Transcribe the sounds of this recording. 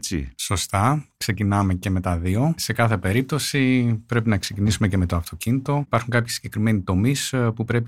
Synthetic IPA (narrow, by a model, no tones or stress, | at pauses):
t͡sḭso̞st̪ɐkse̞cinɐme̞ce̞me̞t̪ɐðio̞se̞kɐθe̞pe̞ɾip̚t̪o̞sipɾe̞pinɐksecinisume̞ce̞me̞t̪o̞ɐft̪o̞cinit̪o̞pɐɾxuŋkɐpçisi̥ɟe̞kɾime̞nit̪o̞mispupɾe̞pi